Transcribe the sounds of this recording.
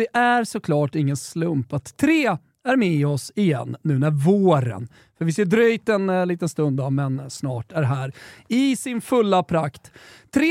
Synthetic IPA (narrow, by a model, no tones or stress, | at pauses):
ɛʔæɾsɔkʰlɑːʈɪŋːənslɵmpat̪ʰːɾeː | æɾmɛɔsɪjɛ̰nːʉ̟ːnæɾvoːɾə̰n | fœɾvɪseːɖ̪ɾœjt̪ɛnliːt̪ənst̪ɵnd̪d̪aɾmɛnsnɑːʈæɾɦæːɾɪsɪnfɵlːapʰɾakt̪ʰːɾeː